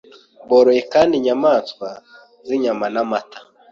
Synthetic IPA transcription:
boɾojekaːndiɲamaːskwa | ziɲamanamatʰḁ

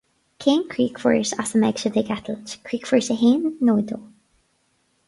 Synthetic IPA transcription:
kʰeːnkʰɹiːkfə̰ɹsasəmɛɡʃədɪɡɛt̪ʰəlt͡ʃkʰɹiːkfəɹsəɦeːnːoːd̪oː

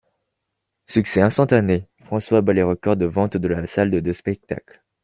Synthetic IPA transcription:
syksɛɛ̃st̪ɑ̃t̪anefχɑ̃swabaleʁəkɔʁd̪əvɑ̃t̪d̪əlasald̪əd̪øspɛk̚t̪a̰kl

